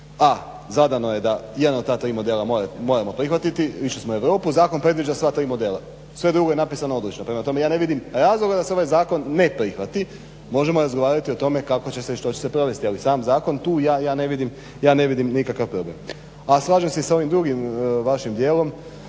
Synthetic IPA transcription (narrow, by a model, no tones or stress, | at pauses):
a | zad̪ano̞je̞d̪ajd̪not̪aːt̪ɾiːmo̞d̪e̞ːlˠamoɾemo̞ːɾamo̞pɾixʋat̪it̪iʋiʃesmoe̞ʋɾo̞ːpuzaːko̞npɾe̞d̪ʋid͡ʒasʋaːt̪ɾiːmo̞d̪e̞ːlˠa | sʋe̞d̪ɾuɡoe̞napisanoo̞d̪lit͡ʃnopɾe̞mat̪o̞me̞jaːne̞ʋid̪imɾaːzlˠo̞ɡad̪aseo̞ʋajzaːko̞nːe̞pɾixʋat̪i | mo̞ʒe̞mo̞ɾazɡoʋaːɾat̪io̞t̪o̞me̞kakot͡ɕeseʃt̪o̞t͡ɕese̞pɾo̞ʋe̞st̪ialisaːmzaːko̞nt̪uːjaːjaːne̞ʋid̪im | jaːne̞ʋid̪imnikakaʋpɾo̞blem | aslˠaːʒemseisao̞ʋimd̪ɾuɡimʋaʃimd̪je̞ːlˠo̞m